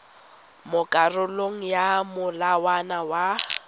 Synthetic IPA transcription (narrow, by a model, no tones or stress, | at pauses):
mʊkʼarʊloŋ̩jamʊlawanawa